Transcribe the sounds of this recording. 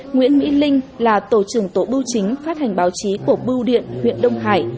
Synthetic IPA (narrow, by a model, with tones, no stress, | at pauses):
ŋwḭ˧˥ənmḭ˧˥lï˧ŋ̟laː˨˩t̪o˧˩t͡ɕɨ˧˩əŋt̪o˧˩ɓɨ˧wt͡ɕï˨˦ŋ̟faː˦˥t̚ha˨˩jŋ̟ɓaː˨˦wt͡ɕi˨˦ku˧˩əɓɨ˧wɗḭ˧˨ənŋwḭ˧˨ənɗə˧wŋ͡mɦaː˧˩j